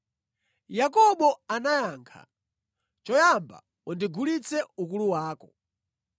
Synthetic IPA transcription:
jakɔɓɔanajaːŋkʰa̰ | t͡ʃɔjamba̰ | undiɡulit͡sʰɛuk̬uluwaːkɔ

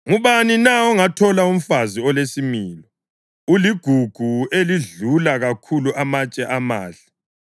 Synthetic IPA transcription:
ŋuβaninaɔŋatʰɔlaum̩faziɔlesimiːlɔ | uliɡ̥ʱuɡ̥ʱueliɮulaɣakʰuluʔamat͡ʃʼɛʔama̰ːɬḁ

